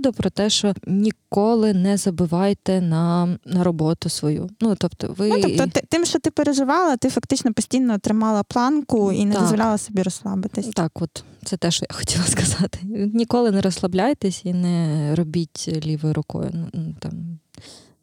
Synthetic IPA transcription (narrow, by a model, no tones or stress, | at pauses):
d̪ʊpɾɔt̪ɛʃt͡ʃɔnʲikɔlˠɪnɛzɐbɪʋɑjt̪ɛnɐnɐɾɔbɔt̪ʊsʋɔjṵnut̪ɔbt̪ɔ̰ʋɪɔɔt̪ɪt̪ɪmʃt͡ʃɔt̪ɪpeɾeʒɪʋɑlˠɐt̪ɪfɐkt̪ɪt͡ʃnɔpɔsʲtʲijnɔːt̪ɾɪmɑlˠɐplˠɑnkʊinɛd̪ɔzzʋɔlʲalˠɐsɔbʲiɾɔslˠɑblɪt̪ɪsʲt̪ɑkɔt̪t̪sɛt̪ɛʃt͡ʃɔjaxɔ̥tʲilˠɐskɐzɑt̪ɪ̥nʲikɔlˠɪnɛɾɔslˠɐblʲajet̪ɛsʲinɛɾɔbʲitʲlʲiʋɔjɾʊkɔ̰jʊ̰nunut̪ɑm